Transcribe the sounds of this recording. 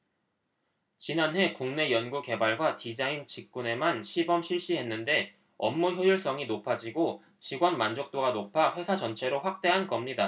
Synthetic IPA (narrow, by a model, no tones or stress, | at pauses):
t͡ɕinanɦe̞kuŋne̞jʌnɡuke̞baɭɡwatid͡ʑaint͡ɕik̚k͈une̞manɕʰibʌmɕʰiɭɕ͈iɦe̞nːɯnde̞ | ʌmːuçjʌjuɭs͈ʌŋinopʰad͡ʑiɡo | t͡ɕiɡwʌnmand͡ʑok̚t͈oɡanopʰaɸwe̞sʰad͡ʑʌnt͡ɕʰe̞ɾoɸwak̚t͈e̞ɦankʌmɲida